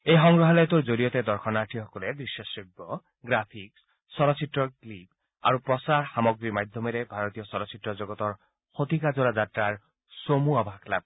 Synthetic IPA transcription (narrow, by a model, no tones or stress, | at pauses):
ejxɔŋɡɹɔɦɔlɔjt̪oɹzoɾijɔt̪ed̪ɔɹxʰɔnaɹʈʰixɔkɔled̪ɹiʃːɔseɡːɔ | ɡɹapʰik̚ | sɔɾɔsitɹɔklip̚ | a̰ɹupɹɔsaɹxamɔɡɹiɹmajd̪ʱjɔmɛɾɛbʱaɹɔt̪ijɔsɔɾɔsitːɹɔzɔɡɔt̪ɔɹ | xot̪ikazolazatɹaɹ | somuabʱakla̰b̚